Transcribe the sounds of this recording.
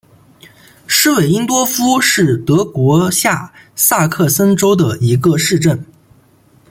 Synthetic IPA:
ʂɻ̩˥we˨˩ɪi˥ŋt̪wɔ˥fu˥ʂɻ̩˥˩t̪ɤ˧˥kwɔ˧˥ɕja˥˩sa˥˧kʰɤ˥˩sə˥nʈ͡ʂo˥ʊd̪ə˨i˧˥ɡə˧ʂɻ̩˥˧ʈ͡ʂə˥˩n

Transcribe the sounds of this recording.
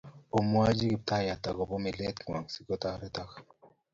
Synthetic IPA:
o˨mwa˦d͡ʒi˦ki˨p̚ta˦ja˨ta˨kɔ˨bɔ˦mi˨lɛ˦t̪ŋwa˨ŋsi˨kɔ˦ta˦ɾɛ˦ta˦k

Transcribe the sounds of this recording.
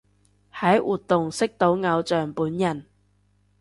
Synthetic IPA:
hɐ˨˥jwʔuː˨t̚t̪ʊ˨ŋsɪ˥k̚t̪o˨˥wŋɐ˨˧wt͡sœː˨ŋpuː˨˥njɐ˨˩n

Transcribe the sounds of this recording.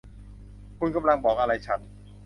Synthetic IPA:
kʰu˧nka˧mla˧ŋbɔː˨˩k̚ʔa˧ɾa˧jt͡ɕʰa˦˥n

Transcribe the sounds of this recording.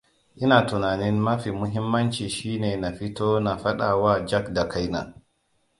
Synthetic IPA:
ʔɪ˦naː˨tʊ˨naː˨nɪ˦nmɐ˦ɸi˨mʊ˦ɦɪ˦mːɐ˦nt͡ʃiː˨ʃiː˦neː˨na˨ɸi˦toː˦na˨ɸa˦ɗa˨waː˦d͡ʒa˦kda˨kʰa˦jna̰˨

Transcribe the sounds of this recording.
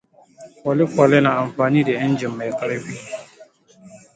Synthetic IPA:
kɔ˨lɪ˦kɔ˨lɪ˦na˨a˨m˨faː˨ni˦dɛ˨ɪ˦n˦d͡ʒi˨mːɛ˨ka˦ɾɪ˦ɸi˦

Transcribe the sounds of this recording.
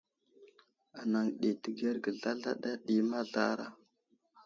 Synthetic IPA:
a˨na˨ŋɗi˨tə˨ɡe˦ɾɡə˨ɮa˦ɮa˦ɗa˦ɗi˦ma˦ɮa˦ɾa̰˦

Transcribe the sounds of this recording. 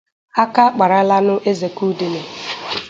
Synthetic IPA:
a˦ka˦k͡pa˨ɾa˦la˦nʊ˦ʔe˦ze˨ku˦dɪ˨nɪ˨

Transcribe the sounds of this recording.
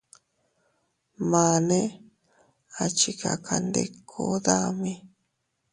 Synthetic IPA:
mã˨˧nẽ˦ | a˨t͡ʃi˨ka̰˨kʰa˨nd̪e˦˧kʰo˦ða˦mĩ˦

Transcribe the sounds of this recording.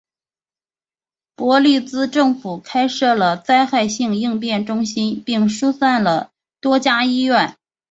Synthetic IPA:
pwɔ˧˥li˥˩t͡sɹ̩˥ʈ͡ʂɤ˥˩ŋfu˨˩kʰa˥ɪʂɤ˥˩lə˩t͡sa˥˧ɪxa˥˧ɪɕi˥˧ŋi˥˧ŋpjɛ˥˩nʈ͡ʂʊ˥ŋɕi˥npi˥˩ŋʂu˥sa˥˩nlə˩ | t̪wɔ˥t͡ɕja˥i˥ɥɛ˥˩n

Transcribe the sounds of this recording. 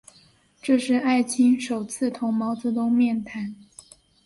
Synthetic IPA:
ʈ͡ʂɤ˥˧ʂɻ̩˥˧a˥˩ɪt͡ɕʰi˥nʂo˨˩ʊt͡sʰɹ̩˥˩t̪ʰʊ˧˥ŋmɑ˧˥ʊt͡sɤ˧˥t̪ʊ˥ŋmjɛ˥˩nt̪ʰa˧˥n

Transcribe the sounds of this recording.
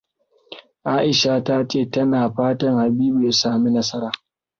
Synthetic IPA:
ʔaː˦ʔɪ˨ʃaː˨ta˦t͡ʃeː˦˨tɐ˦naː˨ɸaː˦tɐ˦ŋha˨biː˦bu˨ja˦saː˦˨mi˦nɐ˦sɐ˦ɾaː˨

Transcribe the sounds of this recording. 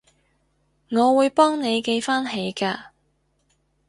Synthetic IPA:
ŋɔː˨˧wuː˨˧jpɔː˥ŋne˨˧jke˧jfaː˥nɦe˨˥jkaː˧

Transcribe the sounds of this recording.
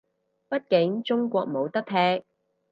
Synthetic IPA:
pɐ˥t̚kɪ˨˥ŋt͡ʃʊ˥ŋkʷɔː˧k̚mo˨˧wt̪ɐ˥k̚t̪ʰɛː˥k̚

